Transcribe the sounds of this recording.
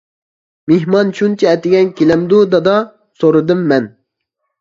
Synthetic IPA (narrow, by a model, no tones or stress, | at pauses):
meɦmɑnʃunt͡ʃʰɛɛt̪ɪɡʲɛnkʲʰelɛmd̪ud̪ɑd̪ɑ | soɾɨd̪ɨmːɛn